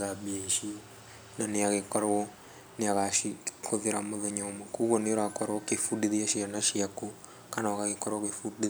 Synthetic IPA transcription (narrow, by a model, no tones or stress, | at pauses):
ɣabeʃi | naneaɣekɔɾaɣɔ | neaɣaʃikʰoðeɾamoðɛɲɔmakuɣɔneoɾakɔɾɔkefudiðiaʃianaʃiaku | kanakaɣekɔɾɔkefudi